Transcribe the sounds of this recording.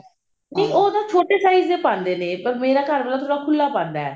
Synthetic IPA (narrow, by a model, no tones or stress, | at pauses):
nẽːʔoːd̪ãːt͡ʃʰoːʈeːsaːizd̪eːpãːnd̪eːneːpəɾmeːɾaːkəɾʋəlaːt̪ʰoːɽaːkʰʊlːaːpãːnd̪a̰ːɛ̰ː